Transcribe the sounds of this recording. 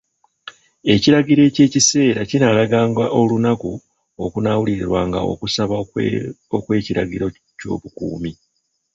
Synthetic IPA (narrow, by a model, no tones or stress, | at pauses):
e̞ciɾaɟiɾe̞ːce̞ːcise̞ːɾacinalaɡaːŋɡwaʔo̞lunaku | o̞kunawuliɾeɾwaːŋɡa̰o̞̰kusaβa | okwe̞ːciɾaɟiɾo̞ | co̞̰ːβukṵːmi